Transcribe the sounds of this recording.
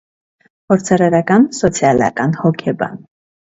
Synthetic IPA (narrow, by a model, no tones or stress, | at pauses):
pʰɔɾt͡sʰɑɾɑɾɑkɑnsɔt͡sʰjɑlɑ̰kɑnhɔkʰɛbɑ̰n